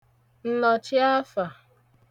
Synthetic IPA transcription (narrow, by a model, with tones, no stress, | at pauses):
n̩˦nɔ˨t͡ʃɪ˦a˦fa˨